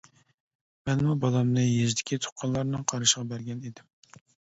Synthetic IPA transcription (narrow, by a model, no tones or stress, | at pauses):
mɛnmubɑlˠɑmnɨjezd̪ɪkʲit̪ʰʊ̥qʰːɑnlˠɑɾnɨŋqʰɑɾɨʃəʁɑbæɾɡʲɛned̪ɪm